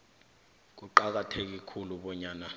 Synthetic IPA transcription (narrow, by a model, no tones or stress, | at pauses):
k̬uǃak̬atʰek̬ikʰuluɓɔɲaːna